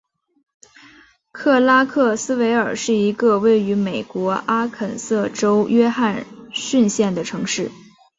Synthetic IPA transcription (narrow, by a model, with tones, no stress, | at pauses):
kʰɤ˥˩la˥kʰɤ˥˩sɹ̩˥we˧˥ɪə˞˨˩ʂɻ̩˥˩i˧˥ɡə˧we˥˩ɪy˧˥me˨˩ɪkwɔ˧˥ʔa˥kʰə˨˩nsɤ˥˩ʈ͡ʂo˥ʊjɥɛ˥xa˥˧nɕy˥˧nɕjɛ˥˩nd̪ə˩ʈ͡ʂʰɤ˧˥ŋʂɻ̩˥˩